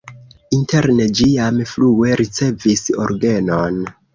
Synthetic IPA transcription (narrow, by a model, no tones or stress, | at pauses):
inte̞ɾne̞d͡ʒiamflue̞ɾit͡se̞viso̞̰ɾɡe̞non